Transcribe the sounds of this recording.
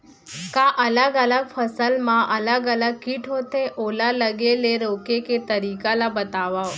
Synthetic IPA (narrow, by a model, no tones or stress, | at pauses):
kaʔələɡələɡ̚fʰəsəlmãʔələɡələɡ̚kiːʈʰɦot̪eʔoːlaləɡeleɾoːkeket̪əɾiːkalabət̪aːʋao